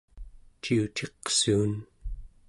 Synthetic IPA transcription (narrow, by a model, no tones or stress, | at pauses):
t͡ʃiut͡ʃ̪ʰe̞qsuːn